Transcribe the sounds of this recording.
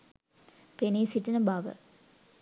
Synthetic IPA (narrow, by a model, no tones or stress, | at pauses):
peniːsiʈːɐnəbaːʋə̰